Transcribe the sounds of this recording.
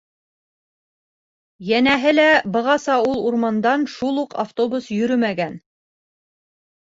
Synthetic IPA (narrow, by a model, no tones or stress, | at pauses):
jænæɦɘlæbɤ̆ʁɑsɑulˠuɾmɑnd̪ɑnʃulˠuqa̰ft̪obusjɵ̆ɾɵmæɡæn